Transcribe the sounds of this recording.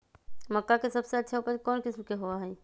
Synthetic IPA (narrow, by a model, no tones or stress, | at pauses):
mɐkːakesɐbseɐtːʃʰaupəɾkɔːnkɪsmkeɦoaɦɛː